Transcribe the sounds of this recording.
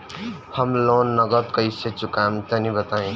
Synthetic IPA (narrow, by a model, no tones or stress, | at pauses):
həmlonːəɡət̪kəiset͡ʃukamt̪ənibət̪aẽ